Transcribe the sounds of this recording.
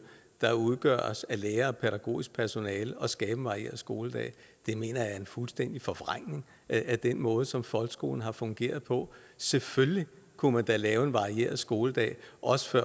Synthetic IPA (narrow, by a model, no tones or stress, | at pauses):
d̥ɑ̈uðˠɡ̥ɶɐ̰ɒsæleːɐpʰeɾ̥æɡ̥o̝̰ːisɡ̥̚pʰæɐso̝nɛːlɒ̽sɡ̥ɛːb̥ən̩ʋɑ̈ʁie̝̰ɐðˠsɡ̥o̝ːləd̥ɛ̰ː | d̥e̝me̝̰ːnɐjɑ̈ɐe̝nfulsd̥en̰d̥ifɒ̽ʋʁaŋ̰ne̝ŋ | æd̥enmɔ̽ːð̞ˠsɒ̽mfɒ̽lɡ̥sɡ̥o̝̰ːln̩ɦɑ̈fɔ̽ŋɡ̥e̝̰ːɐð̞̩ˠpʰɒ̽ | sefølli | kʰumænd̥ælɛːʊe̝nʋɑ̈ʁie̝̰ːɐ̰ð̩ˠsɡ̥o̝ːləd̥ɛ̰ːɪʔɒ̽sə̥fɶɐ̰